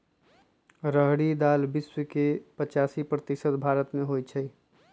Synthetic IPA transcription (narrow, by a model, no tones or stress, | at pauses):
ɾəɦɽid̪albiswəkepət͡ʃasipɾət̪isət̪bʱaɾət̪meɦojt͡ʃʰəj